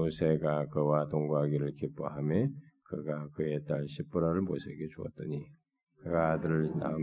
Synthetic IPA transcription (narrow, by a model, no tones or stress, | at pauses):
osʰeɡakɯwatoŋɡuɦaɡiɾɯɭkip͈ʰoɦamekɯɡakɯet͈aɭɕʰip̚p͈uɾʌɾɯɭmosʰeɡet͡ɕuʌ̰t̚t͈ʌɲi | kɯɡadɯɾɯɭna̰ɯ